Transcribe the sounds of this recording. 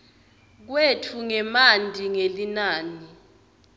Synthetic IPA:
k̬wetʰuŋɛmandʼʱiŋelinaːni

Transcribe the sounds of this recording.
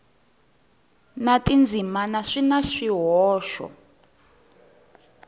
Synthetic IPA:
natind͡zʱimanaʂinaʂiɦɔːʃɔ̰

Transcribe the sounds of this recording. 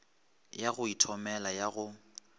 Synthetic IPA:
jaɣʊitʰɔmɛlajaɣʊ

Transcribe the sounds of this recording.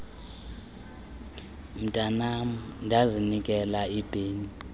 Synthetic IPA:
m̩tʼanamndʱazinikʼɛlaib̥ʱeːni

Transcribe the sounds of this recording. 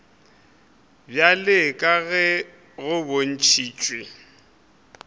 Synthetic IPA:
bjalɪkʼaɣɛ | ɣʊbon̩t͡ʃʰiːt͡ʃʼwɪ

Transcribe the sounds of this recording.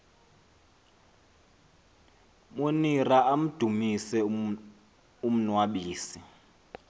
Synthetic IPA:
moniraʔam̩d̥ʱumisɛ | um̩nwaɓiːsi

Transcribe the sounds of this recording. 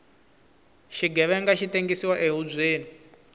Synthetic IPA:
ʃiɡʱɛβɛŋɡaʃiteŋɡisiwaʔeɦub͡ʐʷeːni

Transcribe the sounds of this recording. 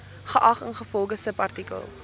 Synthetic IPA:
χəʔɐχənχəfɔlˠχəsəpɐrtikə̰lˠ

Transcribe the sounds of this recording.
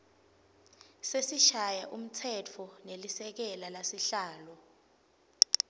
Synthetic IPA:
sesiʃajaʔum̩t͡sʰɛt͡fʰɔnelisɛk̬ɛlalasiɬaːlɔ

